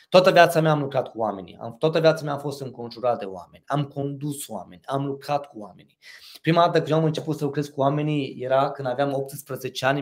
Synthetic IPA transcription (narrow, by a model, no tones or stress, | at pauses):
t̪oat̪əvjat̪sameaːmlukɾat̪̚kuwame̞̰nḭa̰mt̪oat̪əvjat̪samaːfo̞st̪ɨŋko̞nʒuɾat̪̚d̪e̞oa̰me̞̰nʲamko̞nd̪uswa̰me̞nʲamlukɾat̪kuwame̞̰nipɾimad̪at̪əkɨnjoamɨnt͡ʃe̞put̪səlukɾe̞zkuwame̞nije̞ɾakɨnd̪avjamop̚t̪ɨspɾəze̞t͡ʃe̞anʲ